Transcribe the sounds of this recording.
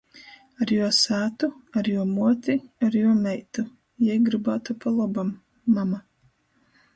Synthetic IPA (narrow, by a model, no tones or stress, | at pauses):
aɾjuɔsæːt̪uaɾjuɔmuɔt̪ʲiaɾjuɔmɛjt̪u | jɛjɡɾɨbaːt̪upalˠɔbamː | ama